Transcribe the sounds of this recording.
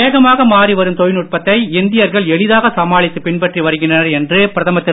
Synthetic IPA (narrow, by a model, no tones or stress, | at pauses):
eːɣɐmaːɣɐmaːriʋɐɾɯmt̪ɔjnʊʈ̚pɐt̪ːɐɪɪnd̪ɪjɐɾɣɐɭɛɭɪðaːɣɐsɐmaːɭɪt̪ːɯpɪɳpɐʈriʋɐɾɯɣɪɳdrɐnɐɾɛndrɯpɪɾɐðɐmɐt̪ːɪ